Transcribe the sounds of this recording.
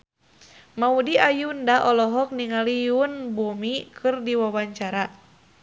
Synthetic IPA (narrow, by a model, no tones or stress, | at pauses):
maudiajundaʔɔlɔɦɔk̚niŋalijunbumikʰɨrdiwawaɲt͡ʃaɾa